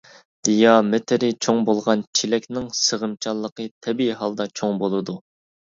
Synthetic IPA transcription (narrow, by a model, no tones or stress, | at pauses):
d̪̥ijɑmɪt̪ʰɪɾɪt͡ʃʰoŋbolˠʁɑnt͡ʃʰilɛkʲnɪŋsəʁəmt͡ʃʰɑlˠːəqʰət̪ʰɛbiɦɑlˠd̪ɑt͡ʃʰoŋbolˠɨd̪u